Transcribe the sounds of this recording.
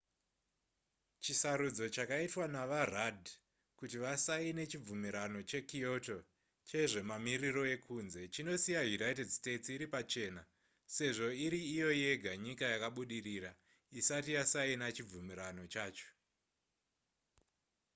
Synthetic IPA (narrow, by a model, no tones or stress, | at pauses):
t͡ʃisaɾud͡zo̞t͡ʃakaitwanaʋaradʱ | kutiʋasaine̞t͡ʃib͡vumiɾano̞t͡ʃe̞kijo̞to̞ | t͡ʃe̞ʐe̞mamiriro̞e̞kunze̞t͡ʃino̞sijajunajtedste̞tiɾipat͡ʃe̞ːna | se̞ʐo̞iɾiːjo̞je̞ɡʱaɲikajakaɓuɗiriɾa | isatijasainat͡ʃib͡vumiɾano̞t͡ʃaːt͡ʃo̥